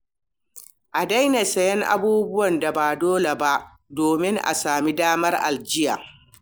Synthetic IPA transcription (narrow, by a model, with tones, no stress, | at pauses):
ʔa˨da˦jna˨sɐ˦jɛ˦ŋʔa̰˦buː˦bʊ˦wɐ˨nda˨baː˨doː˦le˨ba˦ʔ | doː˨mɪ˦ŋʔa̰˨saː˨mi˦daː˦mɐ˦rʔa̰˨ld͡ʒɪ˦jaː˨